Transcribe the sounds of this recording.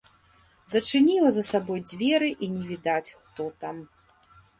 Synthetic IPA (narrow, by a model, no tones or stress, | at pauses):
zɐt͡ʂɨnʲilˠɐzɐsabɔjd͡zʲvʲɛɾɨʔinʲɛvʲid̪at͡sʲxt̪ɔt̪am